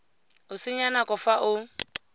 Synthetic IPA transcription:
ʊsɪɲanakʼʊfaʔʊ

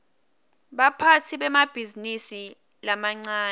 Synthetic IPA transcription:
ɓapʰatʰiɓɛmab̥ʱizinisi | lamaŋ͡ǀaː

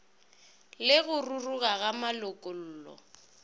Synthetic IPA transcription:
lɪɣʊruruɣaɣamalʊkʼʊl̩ːlɔ̰

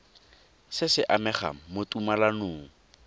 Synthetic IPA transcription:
sɪsɪʔamɛχa̰motʼumalanʊːŋ̩

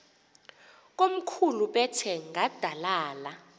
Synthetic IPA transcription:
k̬ʼom̩kʰuluɓɛtʰɛŋɡad̥ʱalaːla

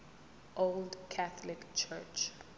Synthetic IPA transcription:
ʔoldkʰaθɔlikt͡ʃʰɛt͡ʃ

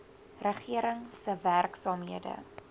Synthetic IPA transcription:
rəχiəɾəŋsəværksɑːmɦiədə̰

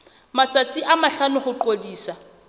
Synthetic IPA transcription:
mat͡sat͡sʼiʔamaɬanʊχʊǃodiːsa

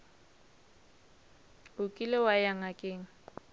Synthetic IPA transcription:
ʊkʼilɪwajaŋakʼɪːŋ̩

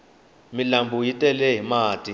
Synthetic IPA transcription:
milambʱujitʼɛlɛɦimaːtʼi

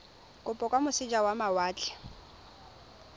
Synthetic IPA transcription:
kʼʊpʼɔkʼwamʊsɪd͡ʒawamawaːt͡ɬʼɛ̥

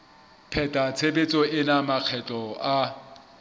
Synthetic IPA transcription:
pʰɛtʼat͡sʰebet͡sʼɔʔɪnamaq͡χʰɛt͡ɬʼɔa

